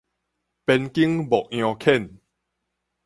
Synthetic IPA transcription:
pe˧nki˦ŋbɔ˨ʔ̚j̃ɔ̃˧kʰɛ˦˥˨n

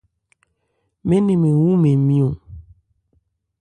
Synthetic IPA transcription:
me˦ne˨me˨wu˦me˨mĩ˦o˨

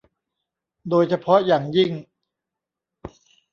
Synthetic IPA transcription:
doː˧jt͡ɕʰa˧pʰɔ˦˥jaː˨˩ŋji˥˩ŋ

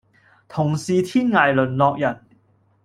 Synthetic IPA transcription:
t̪ʰʊ˨˩ŋsiː˨t̪ʰiː˥nŋaː˨˩jlɵ˨˩nlɔː˨˧k̚jɐ˨˩n

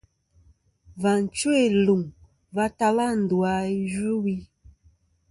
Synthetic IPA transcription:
va˨n˨t͡ʃwe˦˨lu˨ŋ | va˦ta˦la˦˨n̩˨du˨a˨i˦d͡ʒu˦wi˦

